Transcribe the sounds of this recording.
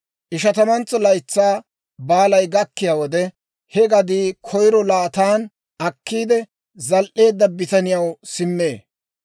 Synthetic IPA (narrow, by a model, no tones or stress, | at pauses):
ʔɪʃ̬ɐt̪ɐmɐnt͡sːɔlɐjt͡sːaː | baːlɐjɡɐkːɪjaːwɔd̪ɛ | hɛɡɐd̪iːkʰɔjɾɔlaːt̪aːn | ʔɐkːiːd̪ɛ | zɐlʔe̞ːd̪ːɐbɪt̪ɐnɪjɐwsɪmːeː